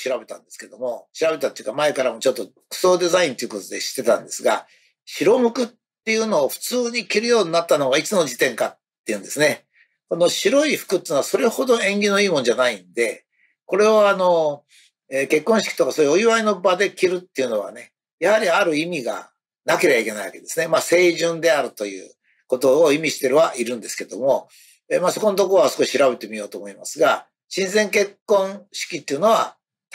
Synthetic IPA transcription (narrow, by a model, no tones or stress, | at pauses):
ɕiɾabe̞t̪ãnd̪e̞sɨ̥ked̪o̞mo̞ɕiɾabe̞t̪at̪ojiɯ̟kamae̞kaɾamo̞t͡ɕo̞t̪ːo̞ | kɯ̟̥so̞ːd̪e̞zaĩnt̪ojiɯko̞t̪o̞d̪e̞ɕi̥t̪ːe̞t̪ã̰nd̪e̞sɨɡa̰ | ɕiɾo̞mɯ̟kɯ̟t̪ːe̞jɯ̟no̞ːɸɯ̟̥t͡sɨːɲ̟ikʲiɾɯ̟jo̞ːɲ̟inat̪ːanoɡait͡sɨno̞d͡ʑit̪ẽ̞ŋkat̪ːe̞jɯ̟̃nd̪e̞sɨne̞ | ko̞no̞ɕiɾo̞iɸɯ̥kɯ̟t̪ːeiːnoaso̞ɾe̞ho̞d̪o̞ẽ̞ŋɡʲino̞iːmo̞nd͡ʑanaĩnd̪e̞ | ko̞ɾe̞oano̞ | eːke̞kːõɕi̥kʲi̥t̪o̞kasojɯoiβaino̞bad̪e̞kʲiɾɯ̟t̪ːeiɯ̟no̞β̞a̰ne̞ | jahaɾʲiaɾɯ̟imʲiɡa̰ | nake̞ɾebaike̞naiβa̰ke̞d̪e̞sɨne̞maːse̞ːʑɨ̃nd̪e̞aɾɯ̟t̪o̞jɯ̟̰ː | ko̞t̪o̞ːimʲiɕi̥t̪e̞ɾɯ̟βaʔiɾɯ̟̃nd̪e̞sɨ̥ke̞d̪o̞mo̞ | emaːso̞ko̞not̪o̞koɾoasɨ̥ko̞ɕi̥ɕiɾabe̞t̪e̞mʲijo̞ːt̪oːmo̞imasɨɡa | ɕĩnzẽ̞ŋke̞kːõ̞ɰ̃ɕi̥kʲit̪ːeiɯ̟no̞β̞a̰